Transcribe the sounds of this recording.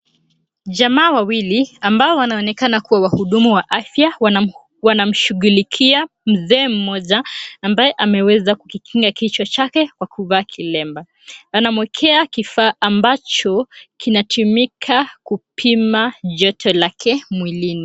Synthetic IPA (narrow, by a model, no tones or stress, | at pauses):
ʄamaːwawiliambaɔwanaɔnɛkanakuwawahuɗumuwaʔafjaw | wanam̩ʃuɣulikʰia | m̩zɛːm̩mɔʄaːmbajɛʔamɛwɛzakukikʰiŋɡakit͡ʃɔt͡ʃakɛkwakuvaːkʰilɛmba | anamwɛkʰɛakifaːʔambat͡ʃɔkinatʰumikʰakupʰimaʄɔtʰɔlakʰɛmwilini